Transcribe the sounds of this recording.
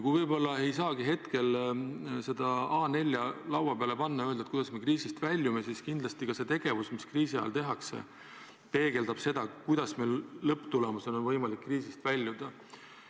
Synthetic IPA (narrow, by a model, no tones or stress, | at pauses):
kuijvɤjbo̞lːɑe̞jsɑːɡiɦe̞t̪ke̞l | se̞d̪̥ɑɑːne̞lʲːjɑlɑwvɑpeɑle̞pɑnːɑjøld̪ɑet̪kujd̪̥ɑsme̞kriːsist̪vælʲːjumesiskind̪lɑst̪ikɑse̞t̪e̞ɡ̥e̞vusmiskriːsiɑ̰jɑ̰lt̪e̞ɦɑksḛ | pe̞ːɡe̞ld̪ɑb̥se̞d̪̥ɑkujd̪̥ɑsmejlːɤpːˑt̪ulemɑsono̞nvɤjmɑlikːriːsist̪vælʲjud̪̥ɑ